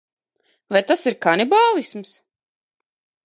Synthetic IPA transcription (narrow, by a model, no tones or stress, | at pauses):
vajt̪asiɾkanibaːlˠisms